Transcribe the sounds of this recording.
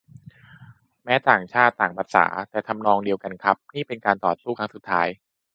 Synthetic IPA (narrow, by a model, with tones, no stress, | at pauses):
mɛː˦˥t̪aː˨˩ŋt͡ɕʰaː˥˩t̪ːaː˨˩ŋpa˨˩t̪̚sa̰ː˩˦t̪ɛː˨˩t̪ʰa˧mnɔː˧ŋdi˧əwka˧nkʰa˦˥p̚niː˥˩pe˧nkaː˧nt̪ɔː˨˩t̪̚suː˥˩kʰa˦˥su˨˩t̪ʰːaː˦˥j